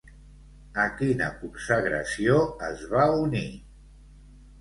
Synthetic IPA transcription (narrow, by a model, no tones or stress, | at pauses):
əkinə̰kumsəɣɾə̰sioəzβauni